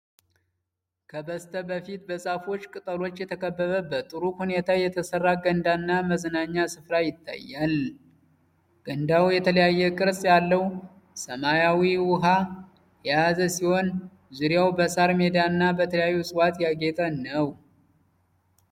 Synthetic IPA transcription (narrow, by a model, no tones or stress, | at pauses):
kʰəbəst̪ʰəbəfit̪̚bəsʼafo̞t͡ʃːkʼɨt̪ʼəlo̞t͡ʃːjɛt̪ʰəkʰəbːəβəbːət̪ːʼɨɾuhune̞t̪ʰajɛt̪ʰəsərːaɡənd̪aɨnːaməzənaɲːasɨfɾajɪt̪ʰːa̰jːal | ɡ̥ənd̪awjɛt̪ʰələjajːɛkʼɨɾsʼjalːəw | səmajawiwʊɦa | jaazəsiho̞n | zuɾjawbəsaɾmed̪aɨnːabət̪ʰələjajːusʼɨwat̪jaɡe̞t̪ʼənəw